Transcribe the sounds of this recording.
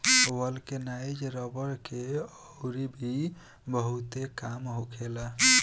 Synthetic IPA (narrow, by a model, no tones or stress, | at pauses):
wəlkenajd͡ʒɾəbəɾkeəwɾibʱi | bəɦut̪ekamɦokʰela